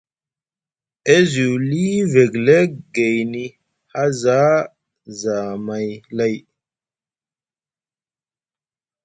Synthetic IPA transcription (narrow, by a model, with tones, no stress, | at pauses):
e˦zu˨wli˦ve˨ɡle˦k̚ɡe˨jni˨ | ha˦za˦ | za˨ma˨jla˦˨j